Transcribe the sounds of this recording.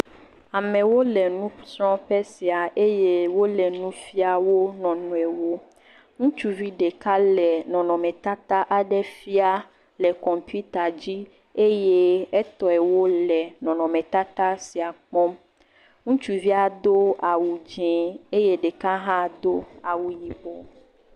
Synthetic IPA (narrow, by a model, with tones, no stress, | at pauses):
a˨mɛ̃˨wo˦lɛ˨nũ˦sɾɔ̃˦ɸɛ˦si˨a˨ʔe˦je˦wo˦lɛ˨nũ˦fi˦a˨wo˦nɔ̃˨nũ˨ɛ˨wo˦ | ŋũ˦t͡ʃu˦vi˦ɖe˨ka˦lɛ˨nɔ̃˨nɔ̃˨mɛ̃˨t̪a˦t̪a˦ʔa˨ɖɛ˦fi˦a˦ | lɛ˨kɔ˨mpu˦t̪a˨d͡ʑi˦ | e˦je˦ɛ˦t̪ɔ˨ɛ˨wo˦lɛ˨nɔ̃˨nɔ̃˨mɛ̃˨t̪a˦t̪a˦si˨a˨k͡pɔ̃˦m | ŋũ˦t͡ʃu˨vi˦a˨d̪o˦a˨wu˨d͡ʒɛ˨e˦je˦ɖe˨ka˦ɦã˦d̪o˦a˨wu˨ji˨bɔ˨